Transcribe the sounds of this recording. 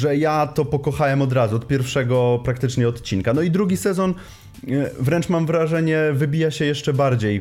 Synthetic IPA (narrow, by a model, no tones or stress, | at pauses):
ʐɛjat̪ɔpɔkɔxawɛmɔd̪ɾazuɔt̪pʲjɛɾfʂɛɡɔpɾakt̪ɘt͡ʂɲɛɔt̪t͡ɕinkanɔid̪ɾuɡʲisɛzɔn | vɾɛnt͡ʂmamvɾaʐɛɲɛvɘbʲijaɕɛjɛʂt͡ʂɛbaɾd͡ʑej